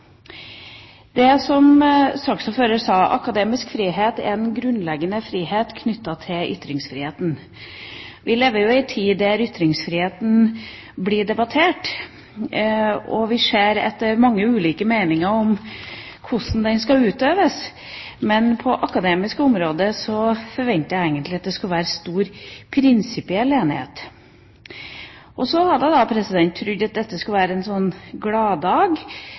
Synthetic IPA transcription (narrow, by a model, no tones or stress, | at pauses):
d̪ɛsɔmsɑksɔføːɾəsɑːʔɑ̰kɑd̪eːmɪskfɾiːɦeːt̪æ̰ɾɛnɡɾʉnlɛɡənəfɾiːheːt̪kʰnʏt̪ːɑt̪ʰɪlʔʏ̰t̪ːɾɪŋsfɾiːheːt̪n̩ | ʋɪleːʋːəɾjʊɪt̪ʰiːæɾʏt̪ɾɪŋsfɾiːheːt̪n̩ | bliːɖɛbɑt̪ʰeːʈ | ɔʋɪseːɾɛ̰t̪ːəɾmɑŋːəʉːliːkəmeɪnɪŋəɾɔm | kʰʊʂn̩d̪ɛnskɑʉːt̪øːʋəs | mɛnpʰɔʔɑkɑd̪eːmɪskʊmɾoːd̪əsɔfɔɾʋɛnt̪əjæɪeɪɡənt̪lɪɑt̪̚d̪ɛskʉlʋæːɾəst̪uːɾpʰɾɪnsɪpɪɛleːnɪhḛːt̪ | ʔɔsɔhɑd̪əd̪ɑpʰɾɛsɪd̪ɛnt̪ʰːɾʏd̪ɑt̪̚d̪ɛt̪ːəsklʋæːɾəɛnsɔnːɡlɑːd̪ɑːɡ